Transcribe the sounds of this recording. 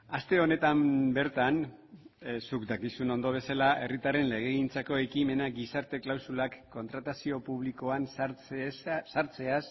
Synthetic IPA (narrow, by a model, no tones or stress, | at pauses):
ast̪e̞o̞ne̞t̪ambe̞ɾt̪an | sukd̪akisuno̞nd̪o̞β̞e̞salae̞rit̪are̞nle̞ɣ̞e̞ɣint͡sako̞e̞kime̞naɡisaɾt̪e̞klawsulakːo̞nt̪ɾat̪asio̞puβ̞liko̞ansaɾt͡ssaɾt͡se̞as